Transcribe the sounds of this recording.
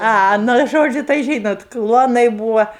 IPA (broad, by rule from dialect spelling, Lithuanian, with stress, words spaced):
ˈɐ ˈnʊ ˈʒoːd͡ʒʲʊ tɐɪ ˈʒʲiːnoːt ˈklˠuɔnɐɪ ˈbuːʋɐ